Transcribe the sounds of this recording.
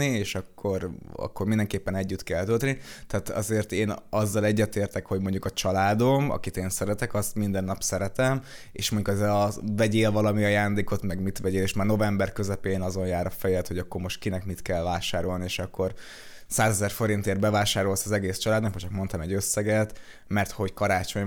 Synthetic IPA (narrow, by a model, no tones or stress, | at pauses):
ieːʃɒkʰːo̞rɒ̰kːo̞rmind̪ɛŋkeːpːɛnɛɟːyt̪kɛlt̪ølt̪nit̪ɛːt̪ɒ̰zeːrt̪eːnɒzːɒlɛɟːɛt̪eːrt̪ɛkho̞ɟmo̞ɲɟukɒt͡ʃɒlaːd̪o̞mɒ̰kit̪eːnsɛɾɛt̪ɛkɒst̪mind̪ɛnːɒpsɛɾɛt̪ɛm | ḛːʃmoɲɟukɛzɛlɒvɛɟeːlvɒlɒmiɒjaːnd̪eːko̞t̪mɛɡmit̪ʋɛɟeːleːʃmaːrno̞vɛmbɛrkø̞zɛpeːnɒzo̞njaːɾɒfɛjɛlt̪ho̞ɟɒkːo̞rmo̞ʃt̪̚kinɛkmit̪kɛlvaːʃaːɾo̞lnieːʃɒkːo̞r | saːzɛzɛrfo̞ɾint̪eːrbɛvaːʃaːɾo̞lsɒzɛɡeːst͡ʃɒlaːd̪nkmɒt͡ʃɒk̚mo̞nt̪ɒmɛɟøsːɛɡɛt̪ | mɛrt̪ho̞ckɒɾaːt͡ʃo̞ɲ